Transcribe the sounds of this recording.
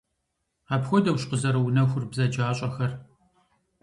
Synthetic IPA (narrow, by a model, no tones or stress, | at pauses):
aːpxʷɔdɐwɕqəzɐɾɐwʊnɐxʷʊrbzɐd͡ʒaːɕʼɐxɐr